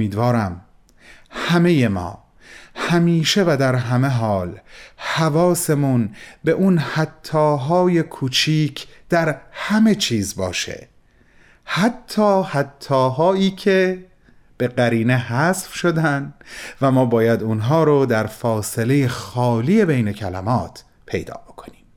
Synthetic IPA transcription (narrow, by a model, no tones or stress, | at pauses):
iːd̪vɒːɾæm | hæme̞je̞mɒ̰ː | hæmiːʃe̞væd̪æɾɦæme̞ɦɒːlhævɒːse̞munbe̞ʔunhæt̪ʰːɒːɦɒːje̞kʰuːt͡ʃʰiːcʰd̪̥æɾhæme̞t͡ʃʰiːzbɒ̰ːʃḛ | hæt̪ʰːɒːhæt̪ʰːɒːɦɒːiːcʰe̞ | b̥e̞ɢæɾiːne̞ɦæːsfʃod̪ænd̪væmɒːbɒːjæd̪unɦɒːɾod̪æɾfɒːse̞le̞jexɒːliːje̞bejne̞cʰælæ̰mɒːt̪ʰ | pʰe̞̰jd̪ɒ̰ːb̥o̞kʰo̞̥niːm